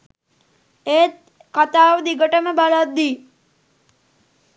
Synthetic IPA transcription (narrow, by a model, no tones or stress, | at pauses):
eːt̪̚ | kat̪aːʋəd̪iɡəʈəməbalat̪d̪iː